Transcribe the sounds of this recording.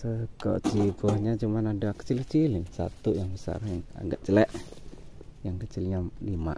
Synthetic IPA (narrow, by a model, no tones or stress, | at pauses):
səkɔ̰ʔt͡ʃiɡɔhɲat͡ʃumanadakə̥t͡ʃilkət͡ʃilɪsa̰t̪ujaŋbəsa̰rjaŋa̰ɡaʔt͡ʃəlɛʔ | jaŋkət͡ʃɪlɲalima̰ʔ